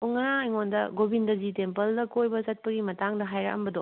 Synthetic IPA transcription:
oŋɐɾaiŋondɐɡobʱindɐzitempɐldɐkojbɐzɐt̚pɐɡimɐtaŋdɐɦajɾɐ̰kɐ̰mbɐdo

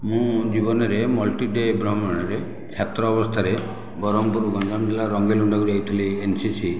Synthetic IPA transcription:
mũd͡ʒibɔnɔɾemɔlʈiɖebɾɔɦmɔɽ̃ɔɾe | t͡ʃʰjat̪ɾɔːbɔst̪ʰaɾe | bɔɾɔmpɔɾuɡɔnd͡ʒamʈ̪ilaɾɔŋɡeluɳɖɔkuɾait̪ʰiliːnsisʰi

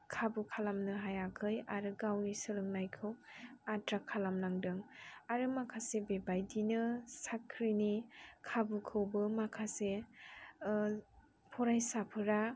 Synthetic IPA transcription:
kʰabukʰalamnɯɦajakʰɯjaɾɯɡawnisɯɾɯŋnajkʰɯwatɾakʰːalamnaŋdɯŋaɾɯmakʰasebebajdinɯsakʰɾinikʰabukʰɯwbɯmakʰase | pʰɔɾajsapʰɯɾa

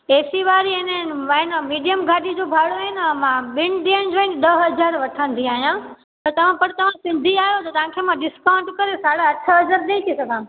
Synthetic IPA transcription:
eːsiʋaːɾiɦɪnəʋɐɦɪnmiːɖijəmɡʱaːɗid͡ʑobʱaːɽoaːɦɪnɪɛ̃mãɓɪñɗiñɪd͡ʑoːɦɪnɗ̪ɐɦɦɐd͡ʑaːɾʋɐʈʰə̃nd̪ʱiaːɦijã | t̪ɐt̪ɐʋ̤ãpɐɽ̤̃t̪ɐʋ̤ãsɪ̃nd̪ʱiaːɦjot̪ɐt̪ɐʋ̤ãkʰemãɖɪskãːɳɖkɐɾesaːɽeɐʈʰəɦɐzaɾɗ̪eit̪ʰisɐɡʱã

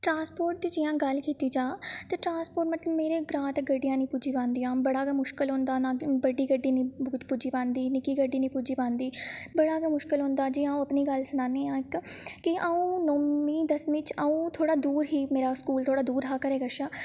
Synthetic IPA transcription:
ʈɾãːspoːɾʈ̚d̪iːd͡ʒɪjãːɡəlkiːt̪iːd͡ʒaːt̪eːʈɾãːnspoːɾʈmət̪ləbmeːɾeːɡɾãːt̪ɡəɖːɪjãːnĩːpuːd͡ʒiːpãːnd̪ijãːbəɽaːɡmʊʃkəlɦõːnd̪aːnãːbəɖiːɡəɖːiːnĩːpuːd͡ʒiːpãːnd̪iːnɪkiːɡəɖːiːnĩːpuːd͡ʒiːpãːnd̪iːbəɽaːɡamʊʃkɪlɦʊ̃nd̪aːd͡ʒɪãːũəpniːɡəlsənãːneːãːɪkkɪaːũːnoːmiːd̪əsmɪt͡ʃəũːt̪ʰoːɽaːd̪uːɾɦiːmeːɾaːskuːlt̪ʰoːɽaːd̪uːɾɦaːkəɾeːɡəʃãː

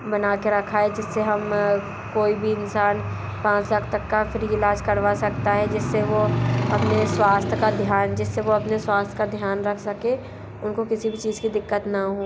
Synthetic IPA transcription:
bɐnaːkeɾɐkʰaɛd͡ʒɪsːeɦɐm | koːibʱiɪnsaːn | pãːt͡ʃləkʰt̪ɐkːafɪɾɪlaːd͡ʒkɐɾʋasɐkt̪aɦɛd͡ʒɪsːeʋoɐpneswaːst̪ʰkad̪ʱjaːnd͡ʒɪsːeʋoɐpneswaːst̪ʰkad̪ʱjaːnɾɐkʰsɐkẽ | ʊnkokɪsibʱit͡ʃiːzkid̪ɪkːət̪naɦõː

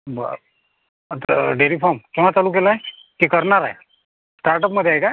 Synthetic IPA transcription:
bə̰ | t̪ɖeɾipʰɔmkĩwʋat͡saluːk̬elaɦe | kikəɾɳaɾaɦe | sʈaɾʈəpməd̪ʱːeaɦjka

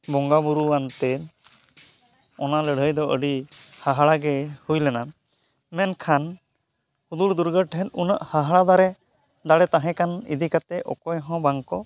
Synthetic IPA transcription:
bɔŋɡabuɾuwant̪ɛ | ɔnaləɽ̤ʱəjd̪ɔʔəɖihaɦaɽaɡɛhujlɛna | mɛnkʰan | hud̪uɽd̪uɾɡəʈɦɛt̪unəʔhaɦaɭad̪aɾɛ | d̪aɽɛt̪aɦɛ̃kanḭd̪ikat̪ɛʔɔ̰kɔjɦɔ̃baŋkɔ

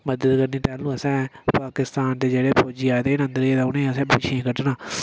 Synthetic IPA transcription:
məd̪əd̪kəɾniːʈɛːlũːəsɛ̃ːpaːkɪst̪aːnd̪eːd͡ʒeːɽeːpʰoːd͡ʒiːaːd̪eːnə̃nd̪əɾeːd̪aunẽːəsɛ̃ːbʊʃʰẽːkəʈnãː

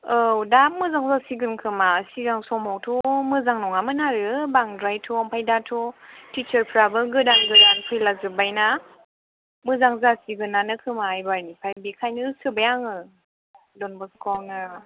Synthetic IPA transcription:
ɯwdap̚mɯzaŋzasiɡɯnkʰɯmasiɡaŋsɔmɔwtʰumɯzaŋnɔŋamɯnaɾɯbaŋdɾajtʰuampʰajdatʰutit͡ʃəɾpʰɾabɯɡɯdanɡɯdanpʰɯjlazɯbajna | mɯzaŋzasiɡɯnːanɯkʰɯmaːjbaɾnipʰajbikʰajnɯsɯbajaŋɯ | dɔnbɔskʰɔnɯ

